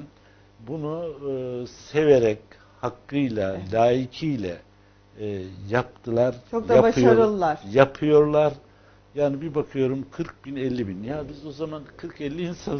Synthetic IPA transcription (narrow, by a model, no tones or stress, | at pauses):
bunu | seve̞ɾɛc | hakːɯjlˠalʲaːicʰijlʲɛ̰ | jap̚t̪ʰɯlˠaɾt͡ʃokj̪aaaʃɯjoaɾɯlˠːaɾjapʰɯjo̞ɾlˠaɾ | jaːnibibakʰɯjo̞ɾumkʰɯɾk̚binɛlʲːibinjaːbizo̞zamankʰɯɾkɛlʲːiːnsan